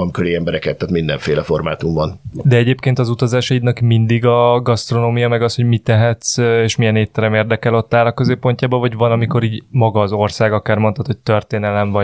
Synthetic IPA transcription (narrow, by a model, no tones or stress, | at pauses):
ɒmkøɾiɛmbɛɾɛkɛt̪ːaːt̪mind̪ɛɱfeːlɛfo̞rma̰ːt̪umvɒnd̪ɛɛɟeːpkeːnt̪ɒzut̪ɒzaːʃɒid̪nɒkmind̪iɡɒɡɒst̪ro̞noːmijɒmɛɡɒsho̞ɟmit̪ɛɦɛt̪seːʃmijɛneːt̪ːɛɾɛmeːrd̪ɛkɛlo̞t̪ːaːlɒkø̞zeːpːo̞ɲcaːbɒvɒɟvɒnɒmiko̞ɾiːɟmɒɡɒːzo̞rsaːɡɒkaːrmo̞nt̪ɒt̪ho̞c̚t̪ø̞rt̪eːnɛlɛɱvɒ